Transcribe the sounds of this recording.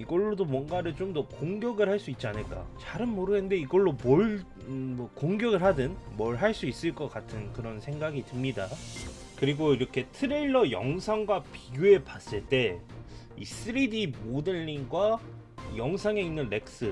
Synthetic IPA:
iɡʌɭːodomwʌnɡaɾɯɭt͡ɕomdʌkoŋɡjʌɡɯɭhaɭs͈uit̚t͡ɕ͈ianɯɭk͈a̰t͡ɕaɾɯnmoɾɯɡende̞iɡʌɭːomʌɭ | mʌkoŋɡjʌɡɯɭɦadɯnmʌɭɦaɭs͈uis͈ɯɭk͈ʌk͈atʰɯnkɯɾʌnsʰe̞ŋɡaɡitɯmɲida | kɯɾiɡoiɾʌkʰe̞tʰɯɾeɭːʌjʌŋsʰaŋɡwapiɡjue̞pas͈ɯɭt͈e̞ | ḭs͈ɯɾidimodɯɭːiŋɡwa | jʌŋsʰaŋe̞inːɯnle̞k̚s͈ɯ

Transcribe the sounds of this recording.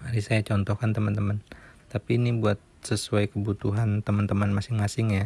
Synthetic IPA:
aɾisajat͡ʃɔnt̪ɔhkant̪əmənt̪əmənt̪apiːnibuat̪̚səsuajkəbut̪uɦant̪əmənt̪əmənmasɪŋmasɪŋɲa

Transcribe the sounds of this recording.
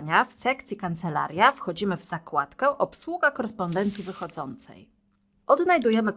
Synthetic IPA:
ɲafsɛkt̪sʲikant̪sɛla̰ɾʲjafxɔd͡ʑimɘvz̥akwat̪kɛʔɔpswuɡakɔɾɛspɔnd̪ɛnt̪sʲjivɘxɔd̪zɔnt̪sɛ̰j | ʔɔd̪najd̪ujɛmɘ

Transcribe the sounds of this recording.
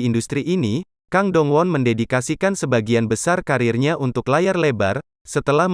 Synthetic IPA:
indust̪ɾiʔini | kaŋdɔŋwɔnməndedikasikansəbaɡianbəsarkaɾirɲaʔunt̪ʊklajarlebar | sət̪əlah

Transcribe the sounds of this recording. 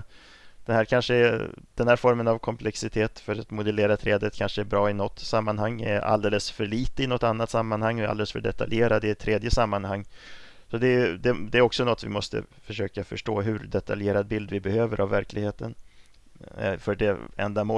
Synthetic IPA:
d̪̥ɛhæːɾkʰanʂəɛd̪̥ɛnhæːɾfɔɾmənavkʰɔmpʰlɛksɪt̪ʰeːt̪fœɾat̪mʊd̪əleːɾat̪ʰɾɛːd̪ət̪̚kʰanʂəɛɾbɾɑːɪnɔt̪ːsamːanhaŋːɛ̰ɾa̰ld̪eːləsfœɭiːt̪əɪnɔt̪anːat̪samːanhaŋːɔa̰leːləsfœ̰ɖɛt̪a̰ljeːɾad̪ːɛɪt̪ʰɾeːd̪jəsamːanhaŋː | sɔd̪ɛd̪ɛd̪ɛæɾɔksɔnɔt̪ːvɪ̰mɔst̪ə̰fœʂøːkafœʂʈoːɦɵɾdɛt̪ʰaljeːɾad̪̚bɪld̪vɪbɛhøːvəɾʔavːæɾklɪɡheːt̪ən | fœɖɛɛ̰nd̪amoː

